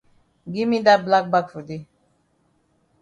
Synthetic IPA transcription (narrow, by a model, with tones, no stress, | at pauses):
ɡi˦mi˦da˦bla˦k̚ba˦kfu˨di˦